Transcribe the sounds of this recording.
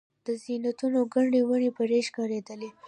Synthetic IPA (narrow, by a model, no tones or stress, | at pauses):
d̪̥əzinat̪unoɡaɳɖewaɳepəɾeʃkɑɾed̪əle